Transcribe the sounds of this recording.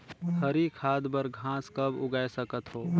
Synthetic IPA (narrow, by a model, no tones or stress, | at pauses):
t̪ʰəɾikʰaːd̪bəɾɡʱãːskɐbʊɡaːesəkət̪ɦoː